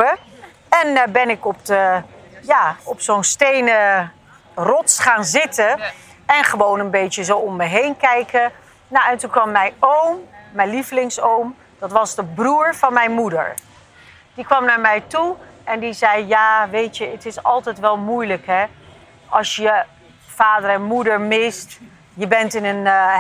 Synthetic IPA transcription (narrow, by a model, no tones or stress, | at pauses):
ə | ɛnbɛnɪkɔp̚dəjaːɔpsownstejnə | rɔtsχaːnzɪtə | ɛnχəʋownənbejtəzowɔmːəjɦejnkɛjkə | nawɛntunkʋɑmːɛjowmːɛjnliflɪŋsowm | d̥ɑtʋɑzdəbruːɹvɑnmɛjnmudə̰ɹ | d̥ikʋɑmnaːɹmɛjtuʔɛndizɛjjaːʋejtəətɪsɑ̰lˠtɛjtʋɛlˠmujləkɦɛ | ʔɑlˠsjə | v̥aːdərɛnmudəɹmɪst | jəbɛntɪnən